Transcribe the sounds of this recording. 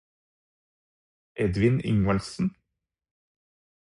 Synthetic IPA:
ʔɛd̪ʋɪnɪ̰ŋəlsn̩

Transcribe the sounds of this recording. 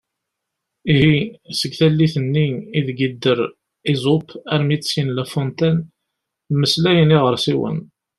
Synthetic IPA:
iɦisəɡθælːiθənːiiðɡid̪ːəɾ | izˤʊpæɾmit͡ssinlæfont̪æn | məslæjəniʁəɾsiwə̰n

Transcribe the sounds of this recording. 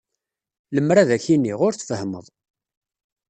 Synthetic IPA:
ləmɾaðæçinːiʁʊɾθfəhmə̰ðˤ

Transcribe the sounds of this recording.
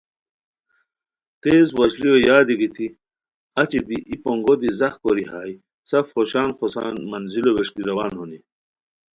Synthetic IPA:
t̪eːzwɐʑliojaːd̪iɡit̪ʰi | ɐt͡ɕibiʔipoŋɡod̪izɐxkoɾiɦaːj | sɐfχoɕaːnxosa̰ːnmɐnziloweʂkiɾɐwaːnhoni

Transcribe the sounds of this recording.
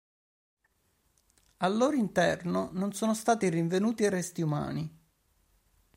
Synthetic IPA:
alːoːɾoint̪ɛrnononsoːnost̪aːt̪iriɱvenuːt̪ierɛst̪iuma̰ːni

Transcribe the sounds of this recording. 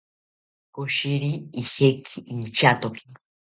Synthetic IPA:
koʃiɾiihekʰiːnt͡ʃat̪okʰi̥

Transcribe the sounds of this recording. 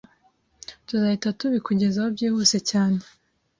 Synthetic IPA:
tuzahitatuβikuɟe̞zaobɟiːhuse̞caːne

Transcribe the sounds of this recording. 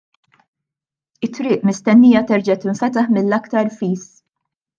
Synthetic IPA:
ɪt̪ːɾɪːʔmɪst̪ɛnːiːjɐt̪ɛɾd͡ʒɐt̪ɪɱfɛt̪ɐħmɪlːɐkt̪ɐɾfiːs

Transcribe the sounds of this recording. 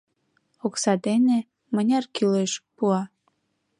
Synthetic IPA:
oksɑd̪ene | mənʲɑrkyleʃpuɑ

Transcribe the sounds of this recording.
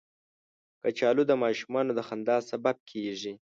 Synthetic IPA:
kət͡ʃɑlud̪əmɑʃumɑnod̪əxand̪ɑsabab̚kʰeʒi

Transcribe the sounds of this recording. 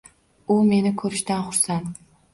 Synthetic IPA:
ʊme̞nɪkʰɵɾɪʃt̪anχʊɾsant̪

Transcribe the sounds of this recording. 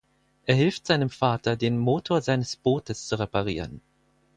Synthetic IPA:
ʔeːɐɦɪlftz̥aɪnəmfaːtɐdeːnmoːtʰoːɐzaɪnəsb̥oːtʰəst͡suʁepaʁ̞ḭːʁən

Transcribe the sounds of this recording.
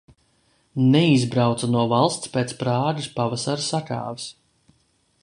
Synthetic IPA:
nɛizbɾawt̪sanuɔvalˠst̪spet̪spɾaːɡ̪ispavasaɾsaka̰ːvis

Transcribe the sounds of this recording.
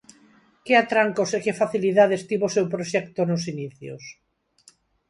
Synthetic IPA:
kɪat̪ɾaŋkosekɪfaθiliðaðest̪iβosewpɾoʃɛkt̪onʊsiniθjo̰s

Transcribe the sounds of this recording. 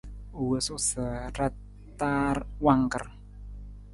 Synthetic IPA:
uwəsosara | t̪arwaŋkər

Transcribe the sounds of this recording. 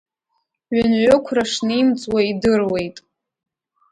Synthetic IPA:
ɥanʕʷʊkʷʰraʂnɨimt͡sʼwaidɨrwe̞jtʼ

